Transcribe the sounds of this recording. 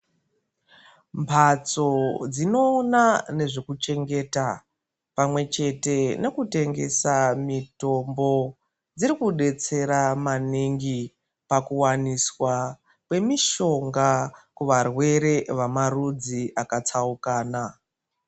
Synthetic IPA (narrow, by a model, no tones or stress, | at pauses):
mpʰat͡so̞d͡zino̞ːnane̞ʐekut͡ʃe̞ŋɡe̞ːta | pamwe̞t͡ʃe̞tene̞kute̞ŋɡe̞̰samito̞mbo̞ | d͡ziɾikuɗe̞t͡se̞ɾamaniŋɡi | pakuwaniswa | kwe̞miʃo̞ŋɡakuʋarwe̞ɾe̞ʋamarud͡ziʔakat͡saukaːna